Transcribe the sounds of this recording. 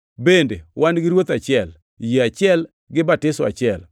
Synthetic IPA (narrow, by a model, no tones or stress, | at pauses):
bendewʔanɡɪɾwot̪at͡ʃɪɛl | jeat͡ʃɪɛl | ɡɪbatɪsɔa̰t͡ʃɪɛl